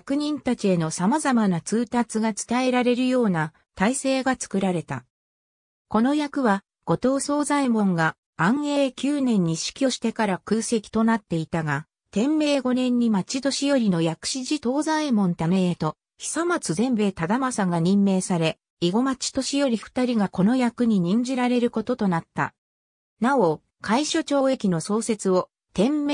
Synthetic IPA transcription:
jakɯ̟ɲ̟ĩnt̪at͡ɕie̞no̞samazamanat͡sɨːt̪at͡sɨɡat͡sɨ̥t̪ae̞ɾaɾe̞ɾɯ̟jo̞ːna | t̪aise̞ːɡat͡sɨ̥kɯ̟ɾaɾe̞t̪a̰ | ko̞no̞jakɯ̟βa | ɡ̥o̞t̪o̞ːso̞ːzaimõ̞ŋɡãː | ɰ̃e̞ːkʲɨːnẽ̞ɲ̟ːiɕi̥kʲo̞ɕi̥t̪e̞kaɾakɯ̟ːse̞kʲi̥t̪o̞nat̪ːe̞it̪aɡa | t̪ẽ̞mːe̞ːɡo̞nẽ̞ɲ̟ːimat͡ɕit̪o̞ɕijo̞ɾʲino̞jakɯ̥ɕiʑit̪o̞ːzaimõ̞nt̪aneet̪o̞ | çi̥samat͡sɨzẽ̞mbe̞ːt̪ad̪amasaŋɡaɲ̟ĩmːe̞ːsaɾe̞ | iɡo̞mat͡ɕi̥t̪o̞ɕijo̞ɾʲiɸɯ̟̥t̪aɾʲiɡako̞no̞jakɯ̟ɲ̟iɲ̟ĩɲ̟d͡ʑiɾaɾe̞ɾɯ̟ko̞t̪o̞t̪o̞nat̪ːa̰ | nao̞ | kʰaiɕo̞t͡ɕo̞ːe̞kʲino̞so̞ːse̞t͡sɨo̞ | t̪ẽ̞mː

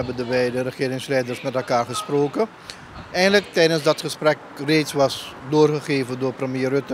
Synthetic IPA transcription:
ɛbəndəbɛjdərəχɪːɾɪŋslɛjdərsmɛtɛlˠkaːɹχəsproːkə | ʔɛjndələk̚tɛjdənsdɑtχəsprɛk | reːtsʋɑsdoːrχəχeːvəndʊːrprəmjeːrøtə

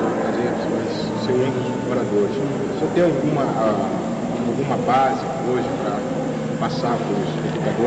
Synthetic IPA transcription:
fazees | s | sew̃ẽd̪ʊz | moɾad̪oɾɪs | sɔt̪ẽj̃awɡũmɐ | awɡũmɐbazɪ | oʒɪpɾɐ | pasapʊ̃zed̪ukad̪o

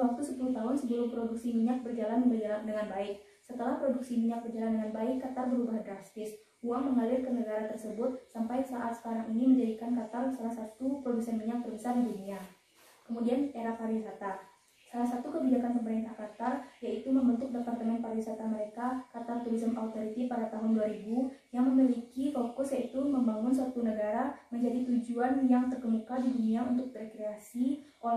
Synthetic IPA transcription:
wak̚t̪usəpuluht̪aɦʊnsəd͡ʒuɾʊhpɾoduksimiɲak̚bərd͡ʒalandəŋanbaɪk̚ | sət̪əlahpɾoduksimiɲak̚bərd͡ʒalandəŋanbaɪkːat̪arbəɾubaɦadɾast̪ɪs | uaŋməŋalɪrkənəɡaɾat̪ərsəbʊt̪̚sampajsaʔat̪sə̥kaɾaŋiniməɲd͡ʒadikankat̪arsalahsat̪upɾoduksanmiɲak̚bərbəsardidunia | kəmudianeɾakaɾikat̪ar | salahsat̪ukəbid͡ʒakanpəbəɾant̪akat̪arjait̪uməmbənt̪ʊk̚dəpart̪əmɛnpaɾawisat̪aməɾekakat̪art̪uɾisəmʔaut̪oɾit̪ipadat̪aɦʊnduaɾibujaŋməmilikifokʊsjait̪uməmbaŋʊnsuat̪unəɡaɾaməɲd͡ʒadit̪ud͡ʒuanjaŋt̪ərkəmukadiduniaunt̪ʊk̚dɾekɾeasiʔo

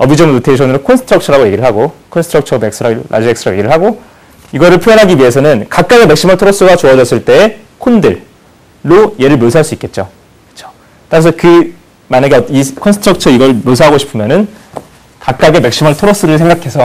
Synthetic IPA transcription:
ʌbid͡ʑʌmɯnotʰeɕʰʌnɾokʰonsʰɯ̥tʰɾʌk̚t͡ɕʰʌɾaɡoje̞ɡiɾɯɭɦaɡokʰonsʰɯtʰɾʌk̚t͡ɕʰʌme̞k̚s͈ɯɾaɾa̰d͡ʑieks͈ɯɾʌɡojeɡiɾɯɭɦaɡo | iɡʌɾɯɭpʰjojʌnɦaɡiɥie̞sʰʌnɯnkak̚k͈aɡe̞me̞k̚ɕ͈imaɭtʰoɾos͈ɯɡat͡ɕoʌd͡ʑʌs͈ɯɭt͈e̞ː | kʰondɯɭː | oje̞ɾɯɭmjosʰɦaɭs͈uik͈e̞t̚t͡ɕ͈o | kɯ̥t͡ɕʰo̥ | t͈aɾas̬ʰʌkɯ | maɲaɡeʌt͈ʌnikʰonsʰɯ̥tʰɾʌk̚t͡ɕʰʌiɡʌɭmjos̬ʰaɦaɡoɕʰi̥pʰɯmjʌnɯn | kak̚k͈aɡe̞mek̚ɕ͈imaɭtʰoɾos͈ɯɾɯɭsʰeŋɡakʰe̞sʰʌ

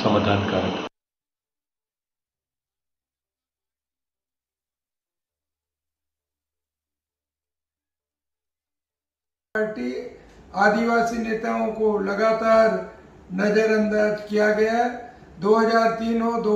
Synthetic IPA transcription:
sɐmaːd̪ʱaːnkaɾ | aːɾʈiaːd̪iʋaːsineːt̪aõkolɐɡaːt̪aːɾnɐd͡ʒəɾɐ̃nd̪aːd͡ʒkijaɡɐjaɦɛ | d̪oːɦɐd͡ʒaːɾt̪iːnɦod̪oː

